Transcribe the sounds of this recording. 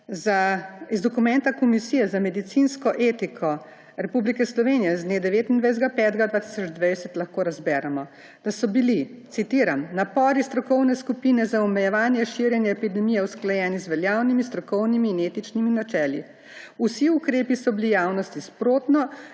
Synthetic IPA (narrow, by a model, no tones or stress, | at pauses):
zaizd̪ɔkumɛnt̪akɔmisiːjɛzamɛd̪it̪sinskɔʔeːt̪ikʰɔ | ɾɛpublikɛslɔʋeːnijɛzd̪neːd̪ɛʋeːt̪ind̪ʋajzɡapɛːt̪ɡad̪vaːt̪i̥sɔd͡ʒd̪ʋajsɛt̪laxkoːɾazbɛːɾamɔ | d̪̥asɔbili | t̪sit̪iːɾamnapɔːɾist̪ɾɔkɔwnɛskupiːnɛzaɔmɛjɛʋaːnjɛʃiɾjɛnjɛːpid̪ɛmijɛwsklajɛːnizʋɛljaːwnimist̪ɾɔkɔwnimiːneːt̪it͡ʃniminat͡ʃɛːlḭ | usiukɾeːpisɔbilijaːwnɔst̪ispɾoːt̪nɔ